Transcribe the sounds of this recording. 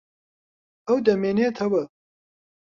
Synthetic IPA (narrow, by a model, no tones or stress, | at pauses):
ɐwd̪ɐmeːneːt̪ʰɐwɐ